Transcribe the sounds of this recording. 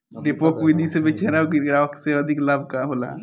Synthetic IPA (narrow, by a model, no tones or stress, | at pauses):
ɖepokʋid̪ʱisebit͡ʃʰeɾaɡɡɾaəkseəd̪ʱiklaːb̚ʱkaɦola̰